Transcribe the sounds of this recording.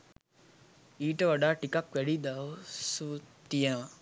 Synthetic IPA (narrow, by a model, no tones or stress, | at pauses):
iːʈəʋaɖaːʈikakʋɛɽid̪aʋsut̪ijənʋa